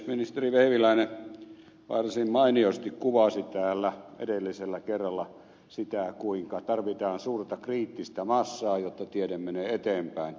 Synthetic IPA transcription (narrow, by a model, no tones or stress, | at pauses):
minist̪eriʋeiʋilæine | ʋɑ̰rsimmɑiniost̪ikkuʋɑsit̪æːlːæʔḛdelːiselːækerːɑlːɑ | sit̪æˑkuiŋkɑt̪ɑrʋit̪ɑːnsuːrt̪ɑkriːt̪ːist̪æmɑsːɑːjot̪ːɑt̪iedemmeneːet̪eːmpæˑin